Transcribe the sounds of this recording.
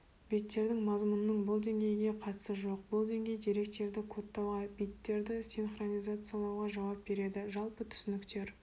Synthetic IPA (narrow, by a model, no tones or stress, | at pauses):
b̥ijt̪ːe̞ɾd̪ɪŋmɑzmʊnənəɴbʊlˠd̪e̞ŋɡʲe̞jɪɡʲe̞qʰɑt̪ə̥səʒo̞qbʊlˠd̪e̞ŋɡʲe̞jd̪eɾe̞k̚t̪e̞ɾd̪ɪkʰo̞t̪ːɑwʁɑbijt̪ːe̞ɾd̪ɪsʲinχronijzat̪sɨjalˠɑwʁɑʒɑwɑp̚be̞ɾe̞d̪ɪʒɑlˠpət̪ʰʏ̥sɪnɪkt̪e̞ɾ